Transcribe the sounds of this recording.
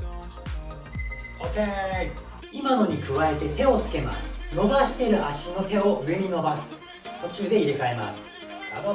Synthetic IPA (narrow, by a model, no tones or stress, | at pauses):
oke | imano̞ɲ̟ikɯ̟βae̞t̪e̞t̪e̞o̞t͡sɨ̥ke̞ma̰sɨ̥no̞baɕi̥t̪e̞ɾɯ̟ʔaɕino̞t̪e̞o̞ʔɯ̟e̞ɲʲino̞basɨ̥ | t̪o̞t͡ɕɨːd̪e̞iɾekae̞ma̰sɨ̥ | ao